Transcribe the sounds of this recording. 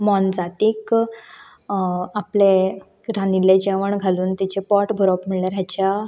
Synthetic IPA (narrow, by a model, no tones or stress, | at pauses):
mɔnd͡zat̪iːk | aple | ɾaniled͡ʑaʋəɳɡʱaluːnt̪it͡ɕepɔʈbʱəɾɔpm̤iɭljaɾɦjat͡ɕa